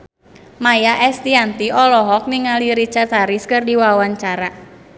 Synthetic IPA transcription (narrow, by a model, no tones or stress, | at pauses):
majaʔɛst̪iant̪iʔɔlɔɦɔk̚niŋaliɾit͡ʃart̪aɾiskɨrdiwawaɲt͡ʃaɾa